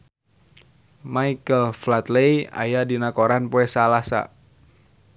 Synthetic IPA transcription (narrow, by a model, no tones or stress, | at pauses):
maikəlflat̪leja̰jadinakoɾanpoɛsalasa̰